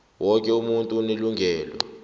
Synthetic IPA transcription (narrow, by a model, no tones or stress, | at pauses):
wʔɔkʼɛumuntʼuneluŋɡʱɛːlɔ̰